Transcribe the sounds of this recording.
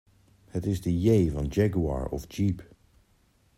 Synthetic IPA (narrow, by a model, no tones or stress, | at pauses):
hətɪzdəjejvɑnd͡ʒɛɡuɑ̰ɹɔ̰fd͡ʒip